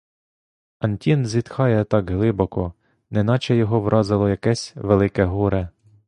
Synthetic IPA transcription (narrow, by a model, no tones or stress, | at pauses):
ɐnʲtʲinzʲit̪xɑjɛt̪ɑɡɦlˠɪbɔkɔ | nɛnɑt͡ʃɛjɔɦɔʋɾʔɑzɪlˠɔjɐkɛsʲʋelˠɪkɛɦuɾɛ